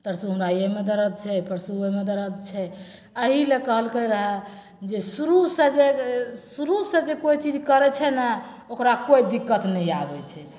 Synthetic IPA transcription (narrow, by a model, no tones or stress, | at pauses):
t̪əɾsuɦunajemed̪əɾət̪̚t͡ʃʰɛpəɾsuemed̪əɾət̪t͡ʃʰɛ | əɦilekəɦəlkəɾəɦɛ | d͡ʒesuɾused͡ʒesuɾusẽd͡ʒekoit͡ʃid͡ʒkəɾɛt͡ʃʰɛnɛ | okɾakoid̪ikːət̪nəiabɛt͡ʃʰɛ